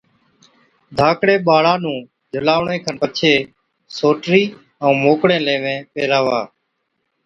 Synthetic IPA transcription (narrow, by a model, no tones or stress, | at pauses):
d̪ʱaːkɽeːɓaːɭaːnũː | d͡ʒʱʊlaːʋɳẽːkʰənpət͡ʃʰeː | soːʈɾiː | ə̃ːmoːkɽẽːleːʋẽːpeːɾaːʋaː